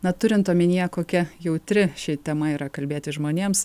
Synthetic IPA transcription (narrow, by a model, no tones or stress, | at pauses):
nɐt̪ʊɾʲɪnt̪oːmʲɪnʲijɛkoːkʲɛjɛʊt̪ʲɾʲɪʃʲɛt̪ʲɛmɐiːɾɐkɐlʲbʲeːt̪ʲɪʒmoːnʲeːms